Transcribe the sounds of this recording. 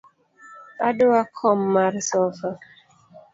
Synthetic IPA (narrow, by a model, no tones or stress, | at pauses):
adoakʰɔmːaɾsɔfa